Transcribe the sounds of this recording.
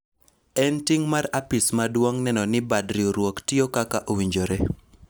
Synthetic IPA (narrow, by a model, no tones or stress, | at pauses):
ɛntiŋmaɾapɪsmadwoŋnɛnɔnɪbadɾioɾwoktɪokakaʔowiɲd͡ʒoɾe